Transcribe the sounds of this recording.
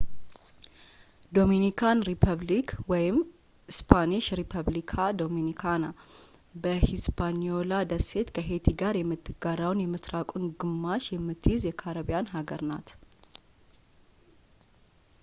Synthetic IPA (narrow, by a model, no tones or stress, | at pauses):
d̪o̞minikʰanɾipʰəβlikwɔjɪm | hɪspʰaniʃɾipʰəβlikʰad̪o̞minikʰanabəhispʰaniolad̪əse̞t̪kʰəɦe̞t̪ʰiɡaɾjɛmːɨt̪ʰːɨɡaɾawnjɛməsɾakʼunɡɨmːaʃjɛmːɨt̪ʰːɨjɪzjɛkʰaɾəβijanɦaɡəɾna̰t̪